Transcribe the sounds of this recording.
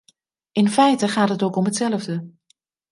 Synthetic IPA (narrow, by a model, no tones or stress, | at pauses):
ɪnfɛjtəχaːtɦətokɔmɦətsɛlˠəvdə